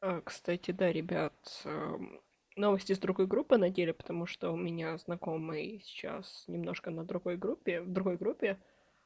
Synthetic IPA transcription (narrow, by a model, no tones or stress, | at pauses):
əkst̪atʲɪd̪aɾʲɪbʲat̪ə | no̞vəsʲtʲɪzd̪ɾʊɡo̞jɡɾupːɨnɐdʲelʲɪpə̥t̪ɐmuʂt̪oʊmʲɪnʲaznɐko̞mɨjsʲɪ̥t͡ɕa̰snʲɪmno̞ʂkənəd̪ɾʊɡo̞jɡɾupʲːɪvd̪ɾʊɡo̞jɡɾupʲːɪ